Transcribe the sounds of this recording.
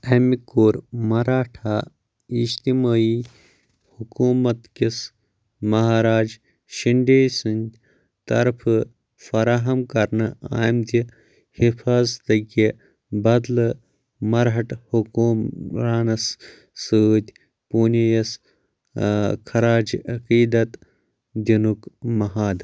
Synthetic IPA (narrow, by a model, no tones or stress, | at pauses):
ɐmikoːɾmɐɾaːʈʰaː | iʃt̪imaːi | hukuːmɐt̪kʲis | mɐɦaːɾaːd͡ʒ | ʃiɳɖeːsɨnʲ | t̪ɐɾpʰɨ | fɐɾaːɦɐmkɐɾnɨa̰ːjmt̪i | hifʰaːzt̪ɐɡʲe | bɐd̪lɨ | mɐɾɦɐʈhukuːmɾaːnɐsː | ɨd̪ʲ | puːnejɐs | kʰɐɾaːd͡ʒʔɐkiːd̪ɐt̪ | d̪ʲinukmɐɦaːd̪